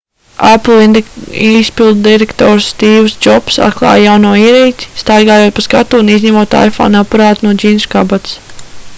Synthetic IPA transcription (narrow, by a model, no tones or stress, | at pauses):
aplˠiispilˠd̪d̪iɾekt̪ɔːɾst̪iːwsd͡ʒɔpsa̰t̪klˠɑ̰ːjjawnuɔiɛɾɛjt̪ʲi̥st̪ajɡaːjoɔt̪̚paskat̪uːniznɲʲamuɔt̪a̰jfɔ̰ːnapaɾɑːt̪unuɔd͡ʒʲiːnskabat̪s